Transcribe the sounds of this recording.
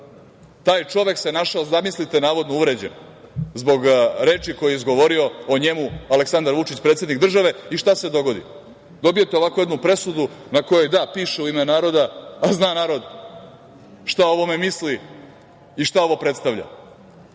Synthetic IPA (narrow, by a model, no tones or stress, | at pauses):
t̪aːjt͡ʃo̞ʋekse̞naʃaozd̪amislit̪e̞naːʋo̞d̪nouʋɾe̞d͡ʑḛn | zbo̞ɡɾe̞ːt͡ʃiko̞jeizɡo̞ʋo̞ɾio̞oɲe̞mualeksand̪aɾʋut͡ʃit͡ɕpɾet̪sʲje̞d̪nikd̪r̩ʒaʋe̞iʃt̪ase̞d̪o̞ɡo̞d̪ḭ | d̪obijet̪eo̞ʋakoe̞d̪nupɾe̞sud̪unako̞jo̞jd̪apiːʃeuimenaːɾo̞d̪aːznanaːɾo̞d̪ | ʃt̪ao̞ʋo̞me̞misli | iʃt̪ao̞ʋo̞pɾe̞t̪st̪aʋʎa̰